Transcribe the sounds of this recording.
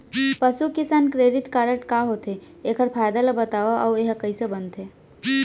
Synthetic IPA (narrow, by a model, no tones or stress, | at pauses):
pəsukɪsaːnkɾeːɖɪʈkaɾəʈkaɦot̪e | ekʰəɾpʰaːjd̪alabət̪aːʋaʔɔweɦkəisebənt̪e